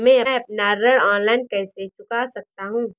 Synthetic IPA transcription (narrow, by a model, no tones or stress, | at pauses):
mɛ̃ɐɐp̚naɾəɽɔ̃ːnlaːɪnkɛːset͡ʃʊkasɐk̚t̪aɦũː